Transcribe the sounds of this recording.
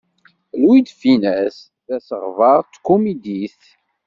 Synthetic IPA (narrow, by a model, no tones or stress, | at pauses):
luwid̪finæs | ðæsəʁvɑɾˤt͡s̪ːkumid̪iθ